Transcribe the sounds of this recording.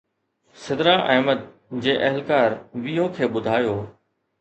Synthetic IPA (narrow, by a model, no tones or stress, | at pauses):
sɪd̪ɾaːʔɐɦməd̪̚ | d͡ʑeːʔɐɦɪlkaːɾʋijõːkʰeːɓʊd̪ʱaːjoː